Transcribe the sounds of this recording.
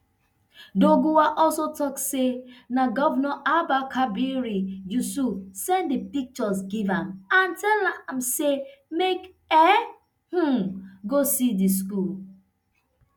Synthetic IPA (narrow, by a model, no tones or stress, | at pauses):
doɡuwaʔɔlsotɔksenaɡɔvnɔʔabakʰabiɾijususɛ̃nddipik̚t͡ʃɔsɡivamantɛlam̩semek | ɛ | h̩ɡosidis̬kul